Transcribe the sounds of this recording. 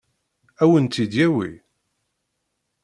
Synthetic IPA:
æwənt̪ːid̪jæwḭ

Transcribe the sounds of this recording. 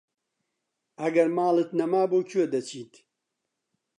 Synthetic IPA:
ɐɡɐɾmaːlɨt̪nɐmaːboːkʰued̪ɐt͡ʃʰiːt̪

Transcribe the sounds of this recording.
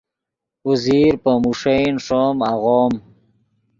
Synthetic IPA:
uziɾpəmuʂejnʂɔːmaɣɔːm

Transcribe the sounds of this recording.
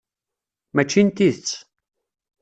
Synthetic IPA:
mæt͡ʃːint̪iðət͡sː

